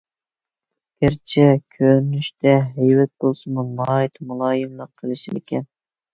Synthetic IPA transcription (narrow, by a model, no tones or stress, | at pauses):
ɡ̥ʲæɾt͡ʃʰɛkʲʰønyʃt̪ʰɛɦɛjwɛt̪̚bolˠsɨmumɑːjit̪ʰmulˠɑːjɨmlˠəqʰːəlˠɨʃilɪ̰kʲʰɛn